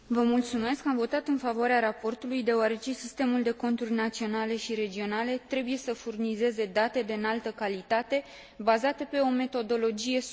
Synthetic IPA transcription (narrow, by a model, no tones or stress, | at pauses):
vəmult̪sume̞skamvo̞t̪at̪ɨnfavoaɾeaɾapo̞rt̪ulujd̪e̞oaɾe̞t͡ʃe̞sist̪e̞muld̪e̞ko̞nt̪urʲnat̪sio̞nale̞ʃiɾe̞d͡ʒio̞nale̞t̪ɾe̞buje̞səfurnize̞ze̞d̪at̪e̞d̪eɨnalt̪əkalit̪at̪e̞ | bazat̪əpe̞o̞me̞t̪o̞d̪o̞lo̞d͡ʒije̞